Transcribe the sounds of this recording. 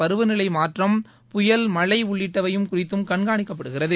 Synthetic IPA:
pɐɾɯʋɯnɪɭɐɪmaːʈrɐm | pʊjɐlmɐɭɐɪʊɭːɪʈːɐʋɐjɯmkʊrɪt̪ːɯmkɐɳɡaːɳɪkːɐp̬ːɐɽɯɣɪrɐðɯ

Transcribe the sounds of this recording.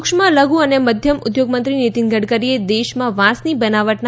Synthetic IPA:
kʃmaləɡuəneməd̪ʱjəmʊd̪joɡmə̃nt̪ɾinit̪inɡəɽkəɾied̪eʃmãʋãsnibənaʋəʈn

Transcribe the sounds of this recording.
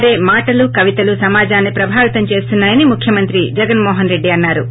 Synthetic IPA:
ɾe̞ːmaːʈɐlukɐʋit̪ɐlusɐmaːd͡ʒaːnːipɾɐbʱaːʋit̪ɐmt͡ʃe̞ːst̪unːaːjɐnimukʰjɐmɐnt̪ɾid͡ʒɛɡɐnmɔːɦɐnɾe̞ɖːiɐnːaːɾu

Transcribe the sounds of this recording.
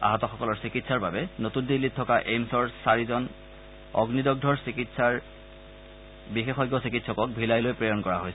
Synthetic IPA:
a̰ɦatɔxɔkɔlɔɹsikitsaɹbabɛnotundilːitʰːɔkaʔemsɔɹsaɹizɔn | ɔ̰ɡnidɔɡ̚dʱɔɹsikitsaɹ | bixexɔjɡːɔsikitsɔkɔk̚bʱilajlojpɹejɔnkɔɹaɦojsɛ

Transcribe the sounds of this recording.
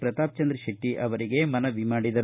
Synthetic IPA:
pɾɐt̪aːp̚t͡ʃɐnd̪ɾɐʃɐʈːiʔɐʋɐɾiɡe̞mɐnɐʋimaːɽid̪ɐ

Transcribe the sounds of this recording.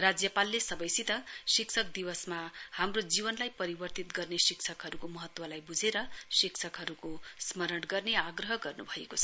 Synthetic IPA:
rad͡zjʌpalːesʌbʌjsit̪ʌsiksʰʌk̚d̪iwʌsmahamrod͡zibʌnlajpʌɾibʌrt̪it̪ɡʌrnesiksʰʌkɦʌɾukomʌɦʌt̪wʌlajbud͡zʱeɾʌsiksʰʌkɦʌɾukosmʌɾʌɽɡʌrneaɡrʌɦʌɡʌrnubʱʌekot͡sʰʌ̥

